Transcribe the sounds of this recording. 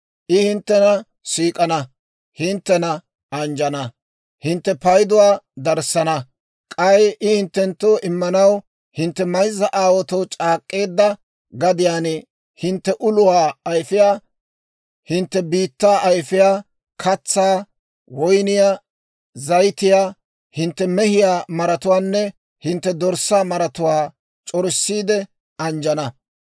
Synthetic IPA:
ʔɪhɪnt̪ːɛnɐ | siːkʼɐnɐ | hɪnt̪ːɛnɐ | ɐnd͡ʒɐnɐ | hɪnt̪ːɛpɐjd̪ʊwaːd̪ɐɾsɐnɐ | kʼɐjʔɪhɪnt̪ːɛnt̪ːoːʔɪmːɐnɐw | hɪnt̪ːɛmɐjzːɐʔaːwɔt̪ɔwt͡ʃʼaːkʼːe̞ːd̪ːɐ | ɡɐd̪ɪjaːnɛ | hɪnt̪ːɛʔʊlʊwaːjfɪjaː | hɪnt̪ːɛbiːt̪ːaːʔɐjfɪjaː | kʰɐt͡sːaː | wɔjnɪjaː | zɐjt̪ɪjaː | hɪnt̪ːɛmɛhɪjaːmɐɾɐt̪ʊwaːnːɛ | hɪnt̪ːɛd̪ɔɾsːaːmɐɾɐt̪ʊwaː | t͡ʃʼɔɾɪsːiːd̪ɛ | ɐnd͡ʒɐnɐ

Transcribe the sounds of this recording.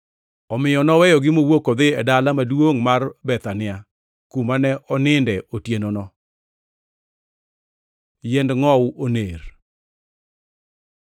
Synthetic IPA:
ɔmɪjɔnɔwɛjɔɡɪmowokod̪ɪɛdalamadwoŋmarbɛt̪anɪa | kumanɛʔɔnɪndɛʔotjenonɔ | jɛndŋɔwoneɾ

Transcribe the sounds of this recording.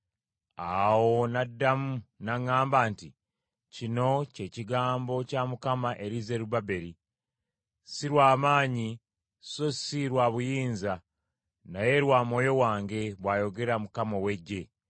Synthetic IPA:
awo̞nadːamunaŋːaːmbaːnti | cino̞ce̞ːciɡaːmbo̞camukamaʔe̞ɾize̞ɾubabe̞ɾi | siɾwaːmaːɲi | sosiɾwaːβujiːnza | naje̞ɾwaːmo̞ːjo̞waːŋɡe̞βwaːjo̞ɡe̞ɾamukamowe̞ɟːe̞

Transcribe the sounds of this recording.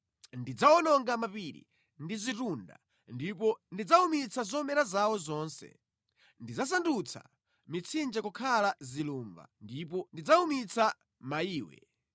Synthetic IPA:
ndid͡zaɔnɔŋɡamapiɾḭ | ndizitunda̰ | ndipɔndid͡zaumit͡sʰazɔmɛɾazawɔzɔːnsɛ̰ | ndid͡zas̬andut͡sʰa̰ | mit͡sʰind͡ʒɛkukʰalaziluːmba̰ndip̬ɔndid͡zaumit͡sʰa | maiːwɛ̰

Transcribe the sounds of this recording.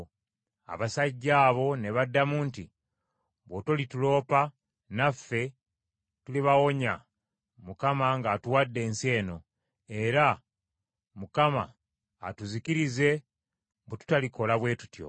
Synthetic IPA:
a̰βasaɟːaːβo̞ne̞βadːamuːnti | βwotolitulo̞ːpa | nafːe̞ | tuliβawo̞ɲa | mukamaŋɡaːtuwadːe̞ːnsie̞ːno̞ | e̞ɾa | mukama̰ː | tuzikiɾize̞ | butu̥taliko̞laβwe̞ːtu̥tjo̰

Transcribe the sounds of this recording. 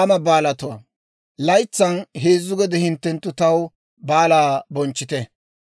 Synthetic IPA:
mɐbaːlɐt̪ʊɐ̰ | lɐjt͡sːɐnɦeːzːʊɡɛd̪ɛhɪnt̪ːɛnt̪ːʊt̪ɐw | baːlaːbɔnt͡ʃːɪt̪ɛ

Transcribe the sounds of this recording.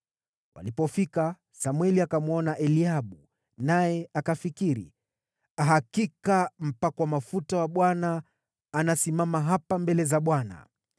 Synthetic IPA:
wa̰lipɔfika | samwɛliakamuɔnaʔɛliaɓu | najɛakafikiɾḭ | aɦakikam̩pakwamafutawaɓwanaː | nasimamaɦapambɛlɛzaɓwana̰

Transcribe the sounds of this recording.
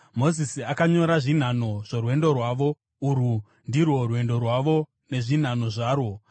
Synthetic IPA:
mo̞zisiakaɲo̞ɾaʐin̤ano̞ʐ̥orwe̞ndo̞rwaʋo̞ | uɾu | ndirwo̞rwe̞ndo̞rwaʋo̞ | ne̞ʐin̤ano̞ʐaːro̞

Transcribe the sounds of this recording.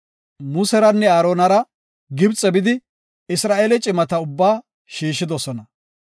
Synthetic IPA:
mʊsɛɾɐnːɛaːɾoːnɐɾɐ | ɡɪbt͡sʼːɛbɪd̪ɪ | ɪsɾaːʔeːlɛt͡ʃʼɪmɐt̪ɐʊbːaː | ʃiːʃːɪd̪ɔsɔnɐ

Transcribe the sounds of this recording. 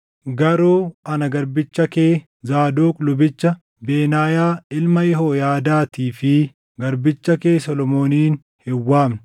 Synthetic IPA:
ɡɐɾuːɐnɐɡɐɾbɪt͡ʃːɐkeː | zaːd̪oːkʼlʊbɪt͡ʃːɐ | beːnaːjaːɪlmɐjɛɦoːjaːd̪aːt̪iːfɪ | ɡɐɾbɪt͡ʃːɐke̞ːsɔlɔmo̞ːniːn | hɪwːaːm

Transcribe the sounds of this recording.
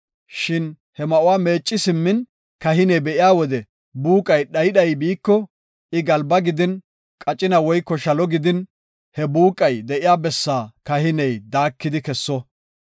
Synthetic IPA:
ʃɪn | hɛmɐʔʊwaːme̞ːt͡ʃʼːɪsɪmːɪn | kɐɦɪnɛjbɛʔɪjaːwɔd̪ɛ | buːkʼɐjɗɐjɗɐjbiːkːɔ | ʔɪɡɐlbɐɡɪd̪ɪn | kʼɐt͡ʃʼɪnɐwɔjkːɔʃɐlɔɡɪd̪ɪn | hɛbuːkʼɐjd̪ɛʔɪjaːbɛsːaːkɐhɪnɛjd̪aːkːɪd̪ɪkɛsːɔ

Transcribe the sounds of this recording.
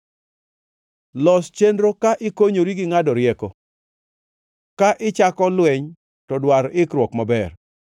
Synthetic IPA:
lɔst͡ʃendɾokaʔɪkoɲoɾiɡɪŋadɔɾjɛkɔ | kaʔɪt͡ʃakɔlwɛɲ | tɔdwaɾɪkɾwɔkmabɛr

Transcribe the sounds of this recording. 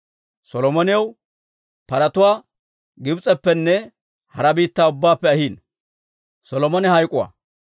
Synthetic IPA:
sɔlɔmɔnɪjɐw | pɐɾɐt̪ʊwaː | ɡɪbt͡sʼɛpːɛnːɛ | hɐɾɐbiːt̪ːaːʊbːaːpːɛɐhiːn | sɔlɔmɔnɛhɐjkʼʊwa̰ː

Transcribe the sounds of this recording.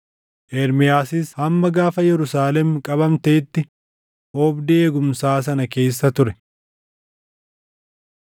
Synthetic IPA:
ʔɛɾmɪjaːsɪshɐmːɐɡaːfɐjɛɾʊsaːlɛmkʼɐbɐmt̪eːt̪ːɪ | ɔːbd̪ɪeːɡʊmsaːs̬ɐnɐke̞ːsːɐt̪ʊɾɛ

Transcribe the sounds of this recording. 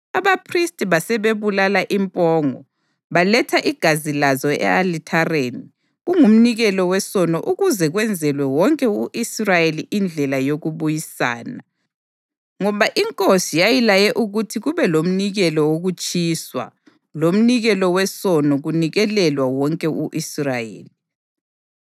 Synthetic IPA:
aβapʰristʼβasɛβeβulalaʔimpʼɔːŋɔ | βalɛtʰaʔiɡ̥ʱazilazɔɛ̰alitʰareːni | ɣuŋum̩niɣɛlɔwɛsɔnɔʔuɣuzɛɣwɛnd͡zʱɛlwɛwɔŋkʼɛuʔisrajeliʔind͡ɮʱɛlajoɣuβujisa̰ːna | ŋɔβaʔiŋkʼosijajilajɛʔuɣutʰiɣuβɛlom̩niɣɛlɔwoɣut͡ʃʼiːswa̰ | lom̩niɣɛlɔwɛsɔnɔɣuniɣɛlɛlwawɔŋkʼɛuʔisrajḛːli

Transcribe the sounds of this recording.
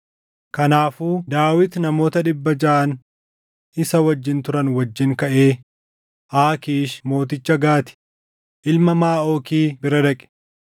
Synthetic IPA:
kɐnaːfuːd̪aːwɪt̪nɐmo̞ːt̪ɐᶑɪbːɐd͡ʒɐʔɐn | ʔɪsɐwɐd͡ʒːɪnt̪ʊɾɐnwɐd͡ʒːɪŋkɐʔe̞ː | ʔaːkiːʃmo̞ːt̪ɪt͡ʃːɐɡaːt̪ɪ̥ | ʔɪlmɐmaːo̞ːkiːbɪɾɐd̪ɐkʼɪ̥

